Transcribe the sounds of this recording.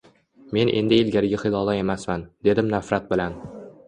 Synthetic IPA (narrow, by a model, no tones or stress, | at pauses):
me̞nʔe̞̰nd̪ɪːlɡʲaɾɪɡʲaχɨlˠɒlˠae̞masmand̪e̞d̪ɪmnafɾat̪̚bɪlan